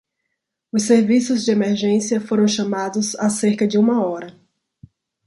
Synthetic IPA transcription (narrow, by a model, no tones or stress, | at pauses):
ʊsːeɾvisʊzd͡ʒɪemeɾʒẽsiɐfoɾɐ̃w̃ʃamad̪ʊzaseɾkɐd͡ʒɪũmɐɔɾɐ